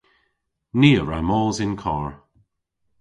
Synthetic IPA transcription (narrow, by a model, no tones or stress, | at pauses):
niːəɹa̰mɔːzɪnkʰɔːɹ